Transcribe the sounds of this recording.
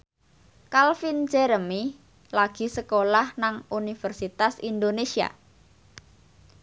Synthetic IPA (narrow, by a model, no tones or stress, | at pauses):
kalfind͡ʒɛɾəmi | laɡ̥i̤səkolahnaŋunifɛrsit̪asind̪onesia̰